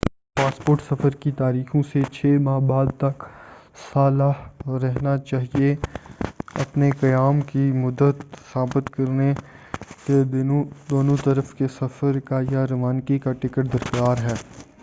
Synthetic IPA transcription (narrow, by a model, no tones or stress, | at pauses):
paːspoːɾʈsɐfəɾkit̪aːɾiːxõset͡ʃʰeːmaːbaːd̪̚t̪ɐksaːlaɾɛɦnat͡ʃaːɦie | ɐpnekɐjaːmkimʊd̪ət̪saːbɪt̪kɐɾne | ked̪oːnõt̪ɐɾəfkesɐfəɾkajaɾɐʋaːnkikaʈɪkəʈ̚d̪ɐɾkaːɾɦɛː